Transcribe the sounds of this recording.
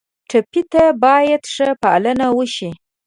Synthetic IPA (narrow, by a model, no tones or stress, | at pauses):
ʈapit̪abɑjad̪ʂəpaa̰lənawəʃi